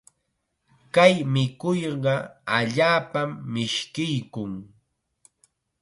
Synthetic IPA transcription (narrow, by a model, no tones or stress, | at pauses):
kajmɪkʊjɢɑaʎaːpamːɪʃkɪjkʊŋ